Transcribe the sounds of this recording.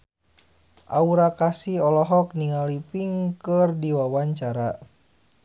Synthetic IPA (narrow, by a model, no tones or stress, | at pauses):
ʔauɾakasiɔlɔɦɔk̚niŋalipiŋkərdiwawaɲt͡ʃaɾa